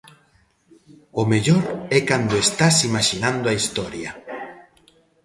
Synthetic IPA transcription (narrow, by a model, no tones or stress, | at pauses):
ʊmeʎoɾɛkand̪oest̪asimaʃinãnd̪ʊaist̪ɔɾjɐ